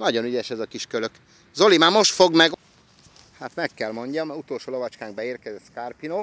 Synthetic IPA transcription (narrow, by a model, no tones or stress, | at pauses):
nɒɟo̞nyɟɛʃɛzɒkiʃkøløk | zo̞limaːmo̞ʃt̪fo̞ɡmɛɡ | hat̪mɛkːɛlmo̞ɲɟɒmut̪oːlʃoːlovɒt͡ʃkaːŋɡ̚bɛeːrkɛzɛt̪skarpino